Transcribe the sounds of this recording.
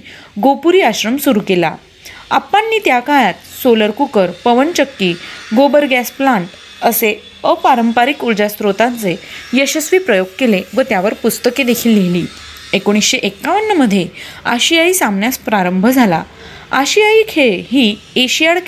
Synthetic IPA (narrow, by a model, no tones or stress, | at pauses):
ɡopuɾiːaɕɾəmsuɾukela̰ | a̰pːãnːiːt̪jakaɭat̪̚soləɾkukəɾpəʋəɳt͡ɕəkːiːɡobəɾɡæsplaɳʈ | əse | əpaɾəmpaɾikuld͡ʑast̪ɾot̪ant͡sejəɕəsʋiːpɾəjoɡ̚keleʋət̪jaʋəɾpust̪əked̪ekʰiːlːeliː | ekoɽ̃isɕeʔekːaʋənːəməd̪ʱːjeaɕijaiːsambɳjaspɾaɾəmbʱəd͡zʱala̰ | aɕijaiːkʰeɭɦiː | eɕijaɭ